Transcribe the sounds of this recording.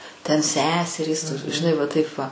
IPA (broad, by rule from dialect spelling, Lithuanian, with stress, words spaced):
tʲɛn ˈsʲæːsʲɛrʲiːs ʒʲɪˈnɐɪ ˈʋɐ tɐɪp ˈʋɐ